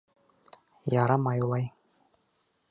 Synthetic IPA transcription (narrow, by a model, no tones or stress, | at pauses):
jɑɾɑmɑjulˠɑj